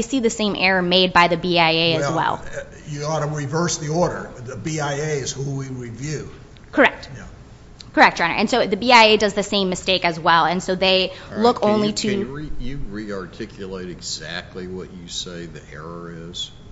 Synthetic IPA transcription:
ɪsiðɨsẽɪ̃mʔɛɹə˞meɪd̚baɪðɨbiaɪeɪɨzwɛ̰lˠ | jɨɔɾəɹivɜ˞sðiɔɹɾə̰˞ðɨbiaɪeɪɨz̥huwiɹivjʉ | kʰə˞ɛk̚t̚j | kʰə˞ɛk̚d̥ɑ̃ñə̰˞ʔɨ̃nsoʊðɨbiaɪeɪdʌzðɨsẽɪ̃mːɨsteɪkɨzwɛlˠɨ̃nsoʊðeɪlʊkʰõʊ̃nliɾɨijɨɹiɑɹtʰɪkʰjɨlˠeɪɾɨɡz̥æ̰k̚tʰˡliwʌt͡ʃɨseɪðḭʔɛ̰ɹə˞ɪz̥

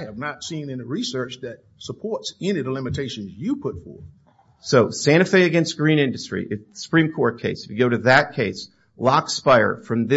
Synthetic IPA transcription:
ɨvnətsĩnɨ̃nɨɹisɜ˞t͡ʃðɨt̚səpʰɔɹtsɛ̃niðəlɪ̃mɨtʰeɪʃɨ̃nzjɨpʰʊtfɔ̰ɹ | soʊsæ̃ɾ̃ɨfeɪɨɡɛ̃nst̚ɡ̥ɹĩñɪ̃ndɨstɹ̥ḭʔɨsə̥pʰɹ̥ĩmkʰɔɹt̚kʰeɪsfjɨɡoʊɾɨðɨt̚kʰeɪs | lɑkspaɪə̰˞fɹʌ̃mðɪ

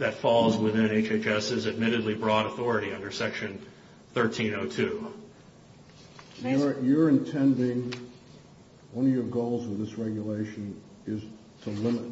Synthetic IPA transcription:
ðɨtfɔlˠzwɪðɪ̃neɪt͡ʃeɪt͡ʃɛsɨzɨd̚mɪɾɨdˡlibɹɔɾəθɔɹɨɾiʌ̃ndə˞sɛkʃɨ̃n | θɜ˞tʰĩnoʊtʰʉ | jə˞jə˞ɨ̃ntʰɛ̃ndɪ̃ŋ | wʌ̃nʌvjə˞ɡoʊlˠzwəðɪsɹɛɡjəleɪʃɨ̃n | ɪz̥ | tʰəlɪ̃mət̚

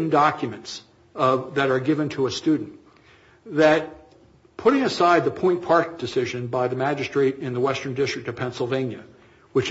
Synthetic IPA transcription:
ndɑkjɨmɨ̃nts | ʌðɨɾə˞ɡɪvɨ̃ntʰəəstʉdⁿn̩ | ðɨt̚ | pʰʊɾɪ̃ŋɨsaɪd̪̚ðəpʰɔ̃ɪ̃npʰɑɹk̚d̥ɨsɪʒɨ̃nbaɪðɨmæd͡ʒɨstɹ̥eɪɾɪ̃nðəwɛstə̃˞ndɪstɹ̥ɨk̚tʌv̥pʰɛ̃nsl̩ˠvẽɪ̃njɨ | wɨt͡ʃ

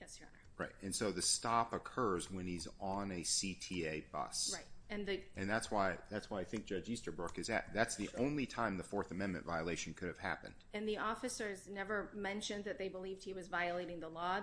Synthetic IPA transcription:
ɹaɪt̚ɨ̃nsoʊðɨstɑpəkʰɜ˞zwə̃niz̃nɨsitʰieɪbʌ̰sɹaɪtɨ̃nðɨʔɨ̃nðætswaɪðætswaɪaɪθɪ̃ŋk̚d̥ʒ̥ʌd͡ʒistə˞bɹʊkɨzɨ̰t̪̚ðætsðiʔõʊ̃nlitʰãɪ̃mðəfɔɹθɨmɛ̃nmɨ̰̃nvaɪəleɪʃɨ̃n̩kʰʊɾɨv̥hæ̰pɨ̰̃nd̥ɨ̃nðiɔfɨsə˞znɛvə˞mɛ̃nʃɨ̃nðɨt̪̚ðeɪbəlivd̚hiwʌzvaɪɨleɪɾɪ̃ŋðəlɔ

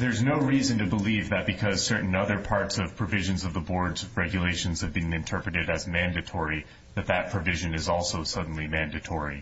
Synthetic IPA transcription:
ðə˞znoʊɹizɨ̃ntɨbəlivðɨt̚b̥ɨkʰʌz̥sɜ˞ʔn̩ʌðə˞pʰɑɹtsʌv̥pʰɹ̥ɨvɪʒɨ̃nzʌvðəbɔɹdzɹɛɡjɨleɪʃɨ̃nz̥ɨvbĩŋɨ̃ntʰɜ˞pɹɨɾɨɾɨzmæ̃ndɨtʰɔɹi | ðɨt̪̚ðɨt̚pʰɹ̥ɨvɪʒɨ̃nɨzɔlˠsoʊsʌdⁿn̩limæ̃ndɨtʰɔɹi

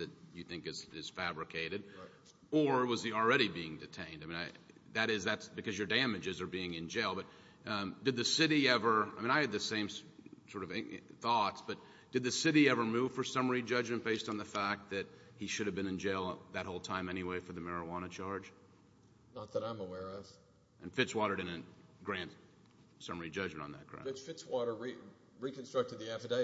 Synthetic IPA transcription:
ðɨt͡ʃɨθɪ̃ŋkɨz̥ɪz̥fæbɹɨkʰeɪɾɨɾ | ə˞ɪt̚wʌzil̩ˠɹɛɾibiɪ̃ŋdɨtʰẽɪ̃ndaɪmĩnaɪ | ðɨɾɪzðætsb̥ɨkʰʌzjə˞dæ̃mɨd͡ʒɨzə˞biɪ̃ŋɨ̃nd͡ʒeɪlˠbʌt̚ | d̥ɨd̪̚ðɨsɪɾiɛvə˞aɪmĩñaɪɨd̪̚ðɨsẽɪ̃mssɔɹɾʌvθɔtsb̥ʌt̚ | d̥ɨd̪̚ðɨsɪɾiɛvə˞muv̥fə˞sʌmə˞id͡ʒʌd͡ʒmɨ̃nb̥eɪstn̩ðɨfæk̪̚ðɨt̚hiʃʊɾɨvbɨ̃nɨ̃nd͡ʒeɪlˠðɨt̚ɦoʊlˠtʰãɪ̃mɛñiweɪfə˞ðɨmɛɹɨwɑñɨt͡ʃʰɑɹd͡ʒ | nət̪̚ðəɾãɪ̃məwɛɹʌv̥ | ʔɨ̃nfɪtswɔɾə˞ɾɨɾɨɡ̥ɹæ̃nd | sʌmə˞id͡ʒʌd͡ʒmɨ̃ntn̩ðɨ̰t̚kʰɹ̥ã̰ɨ̃t͡ʃfɪtswɔɾə˞ɹi | ɹikn̩stɹ̥ʌk̚tɨd̪̚ðiæfədeɪ

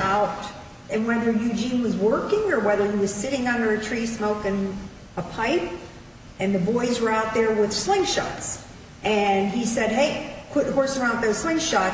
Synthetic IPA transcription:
aʊɾ | ɨ̃nwɛðə˞jʉd͡ʒĩnwʌzwɜ˞kɪ̃ŋə˞wɛðə˞iwʌz̥sɪɾɪ̃ŋʌ̃ndə˞ɨtʰɹ̥ismoʊkɨ̃n | əpʰaɪp̚ | ɨ̃nðɨbɔɪzwə˞aʊt̪̚ðə˞wɪð̥slɪ̃ŋʃɑ̰ts | ʔɨ̃nisɛd̚ɦeɪpʰʊt̚hɔɹsəɹãʊ̃n̚ðoʊslɪ̃ŋʃɑt̚

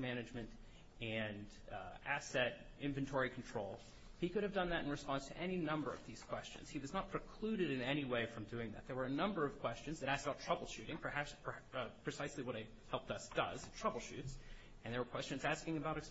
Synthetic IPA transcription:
mænɨd͡ʒmɨ̃nt | ɨ̃n | æsɛɾ | ɪ̃ɱvɨ̃n̩tʰɔɹikʰn̩tʰɹ̥oʊlˠ | hikʊɾɨvdʌ̃nðɨɾ̃n̩ɹɨspɑ̃ndz̥tʰɨʔɛninʌ̃mbə˞ʌ̰vðiz̥kʰw̥ɛst͡ʃɨ̰̃nz̥hiwʌznət̚pʰɹ̥ɨkʰl̥ʉɾɨɾɨ̃nɛɾ̃iweɪfɹʌ̃mdʉɪ̃ŋðɨ̰t̪̚ðə˞wə˞ɨnʌ̃mbə˞ʌv̥kʰw̥ɛst͡ʃɨ̃nzðɨɾæskəbaʊtʰɹ̥ʌbl̩ˠʃʉɾɪ̃ŋpʰəhæsppʰɹ̥ɨsaɪsliwʌɾeɪ | hɛlˠp̚ðʌsd̥ʌ̰z̥tʰɹ̥ʌbl̩ˠʃʉts | ɨ̃nðə˞wə˞kʰw̥ɛst͡ʃɨ̃n̩zæskɪ̃ŋɨbaʊɾɨks

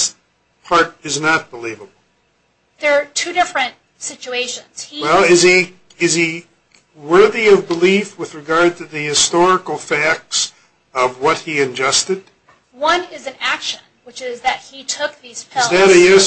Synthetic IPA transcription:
s | pʰɑɹɾɨznət̚b̥əlivəbl̩ˠ | ðə˞tʰʉɾɪfɹɨ̃nt̚ | sɪt͡ʃueɪʃɨ̰̃nz̥hiwɛlˠɪzi | ɪz̥i | wɜ˞ðiʌvbəlifwɨðɹɨɡɑɹd̚tʰɨðɨhɨstɔɹɨkl̩ˠfæk̚ts | ʌvwʌt̚hiɨ̃nd͡ʒʌstɨd̥̚ | wʌ̃nɪzɨ̃nækʃɨ̃nwɨt͡ʃɪzðɨt̚hitʰʊk̚ðiz̥pʰɪæɾɨɪs

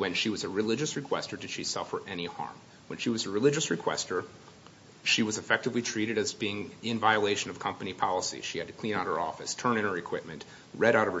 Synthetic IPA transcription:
wɨ̃nʃiwʌzɨɹɨlɪd͡ʒɨsɹɨkʰw̥ɛ̰stə˞dɨd̥ʃisʌfə˞ʔɛnihɑ̰ɹm | wɨ̃nʃiwʌzɨɹɨlɪd͡ʒɨsɹɨkʰw̥ɛ̰stə˞ | ʃiwʌzɨfɛk̚tɨvlitʰɹ̥iɾɨɾɨzbiɪ̃ŋɪ̃ɱvaɪəleɪʃɨ̃nʌv̥kʰʌ̃mpɨnipʰɑlˠəsḭʃiɨd̚tɨkʰl̥ĩñaʊ̃nhə˞ɔ̰fɨstʰɜ̃˞nɨ̃nə˞ɨkʰw̥ɪp̚mɨ̃nʔ | ɹɛɾaʊɾʌv̥ə

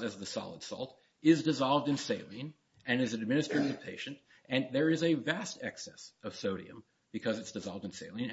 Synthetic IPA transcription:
ɨzðɨsɑ̰lˠə̰d̥sɔ̰lˠt | ɪzdɨzɑlˠvdɨ̃nseɪlˠĩn | ɨ̃nɨzɨd̚mɪ̃nɨstɹ̥eɪɾɨv̥pʰeɪʃɨ̃nt | ʔɨ̃nðə˞ɨzɨvæstʰɛ̰ksɛsʌv̥soʊɾḭɨ̰̃m | b̥ɨkʰʌzɨtsd̥ɨzɑ̰lˠvdɨ̃nseɪlˠɪ̃n

